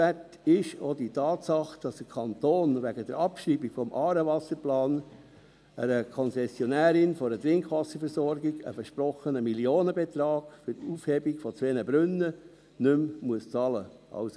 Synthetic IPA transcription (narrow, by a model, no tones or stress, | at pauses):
æt | ɪʃoditɑːtsɑχd̥ɑsd̥əkʰɑnt̪oːnʋæɡəd̥əɾɑpʃiːbiɡfɔmʔɑːɾəʋɑsəɾplɑːn | əɾəkʰɔnsɛsjɔnæːɾɪnfɔɾətɾɪŋkʋɑsəɾfɛɾsɔɾɡiɡə̰fəʃpɾɔχənəmiljoːnəbet̪ɾɑːɡ̥fʏɾtuːfhɛbiɡfɔt͡sʋeːnəbɾʏnːə | nʏmmuəst͡sɑləʔɑ̰ʊs